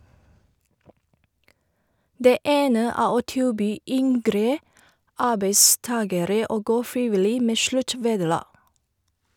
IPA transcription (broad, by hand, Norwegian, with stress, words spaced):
ˈdeː ˈeːnə ˈæː ˈoː ˈtɪlˌbyː ˈʏŋɡɾə ˈɑːbeɪˌstɑːɡəɾə ˈoː ˈɡoː ˈfɹɪʋɪˌliː ˈmeː ˈʃlʉˌʈʋeːdəˌlɑː